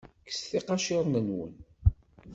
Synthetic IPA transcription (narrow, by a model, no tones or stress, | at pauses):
kə̥sθiqɑʃɪɾˤnənwə̰n